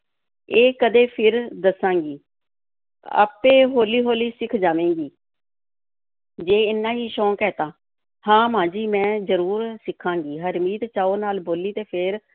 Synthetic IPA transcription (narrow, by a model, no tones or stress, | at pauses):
eːkəd̪eːpʰɪɾd̪əsːãːŋɡiː | a̰ːpeːɦoːliːɦoːliːsɪkʰd͡ʒaːʋẽːŋɡiː | d͡ʒeːɪnːãːɦiːʃɔ̃ːkɛːt̪ãː | hãːmãːd͡ʒiːmɛ̃ːzəɾuːɾsɪkʰːãːŋɡiːɦəɾmiːt̪t͡ʃaːoːnaːlboːliːt̪eːpʰɪɾ